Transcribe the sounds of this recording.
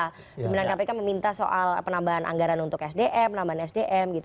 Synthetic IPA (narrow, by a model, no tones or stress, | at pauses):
bibinankapakanməmint̪aso̰ʔalpənambaɦanʔa̰ŋɡaɾanunt̪ʊkɛsdeʔɛpənambaɦanɛsdeʔɛmɡit̪